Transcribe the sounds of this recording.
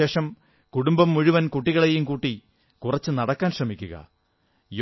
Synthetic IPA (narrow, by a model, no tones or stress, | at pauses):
e̞ːʂɐm | kuɽumbɐmːuɻuʋɐnkuʈːiɣɐɭejumkuːʈːi | kurɐt͡ɕːɨnɐɽɐkːaːnɕrɐmikʲːuɣɐ̰ | j